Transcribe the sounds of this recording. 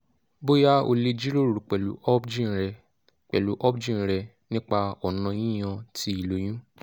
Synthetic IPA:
bo˦ja˦o̰˧le˧d͡ʒi˦lo˦˨ɾu˨k͡pɛ˨lṵ˨ɔ˦bd͡ʒĩ˦ɾɛ˧ | k͡pɛ̰˨lu˨˦ʔɔ˦bd͡ʒĩ˦˨ɾɛ˧ | nĩ˦k͡pa˧ɔ˨nã˨˧jĩ˦j̃ã˧ti˧i˨lo˨˦j̃ũ˦

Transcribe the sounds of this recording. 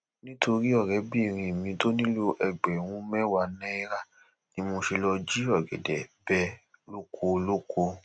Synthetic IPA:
nĩ˦tʰo˧ɾi˦ɔ˦˨ɾɛ˨˦bi˦˨ɾ̃ĩ˧˨mĩ˧to˦nĩ˦lo˧ʔɛ˧ɡ͡bɛ˨w̃ũ˧˦mɛ˦wa˧˨nɛ̃˦i˧˦ɾa˦˨ | nĩ˧˦mo˧ʃe˧lɔ˧d͡ʒi˦ɔ˦˨ɡɛ̰˨dɛ˨bɛ˦ | lo˦kʰo˧lo˦kʰo˧

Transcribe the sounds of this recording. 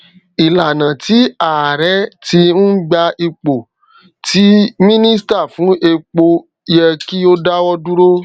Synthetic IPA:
i˨la˨nã˨ti˨˦a˨ɾɛ˨˦ti˧ñ̩˦ɡ͡ba˧i˧k͡po˨ | tʰi˦mĩ˦nĩ˦sta˦˨fũ˨˦ʔe˧k͡po˧ | jɛ˧ki˦o˦da˦wɔ˦du˦ɾo˦

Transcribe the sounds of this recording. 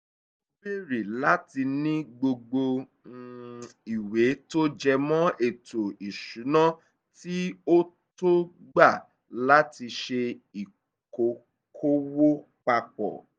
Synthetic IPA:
be˦˨ɾi˨la˨˦ti˧nĩ˦ɡ͡bo˧ɡ͡bo˧˦ | i˨we˨˦to˦d͡ʒɛ˧mɔ̃˦ʔe˨to˨i˨ʃu˨˦nã˦ | ti˦o˦ | to˦ɡ͡ba˦˨ | la˦ti˧ʃe˧i˨ | ko˨ | kʰo˦wo˦ | k͡pa˧k͡pɔ̰˨

